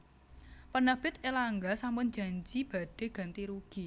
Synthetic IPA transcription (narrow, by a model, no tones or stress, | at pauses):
pənəb̥ɪt̪̚elaŋɡasampʊnd͡ʒa̤ɲd͡ʒib̥a̤ɖ̥e̤ɡ̥a̤nt̪iɾuɡ̥i